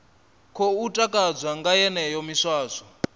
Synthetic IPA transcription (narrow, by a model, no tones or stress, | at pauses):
kʰɔutʼakʼad͡zʷwaŋɡajɛnɛjɔmiʂwaːzɔ